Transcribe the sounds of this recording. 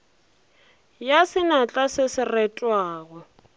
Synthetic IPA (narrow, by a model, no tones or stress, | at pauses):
jasɪnat͡ɬʼasɪsɪrɛtʼwaːɣɔ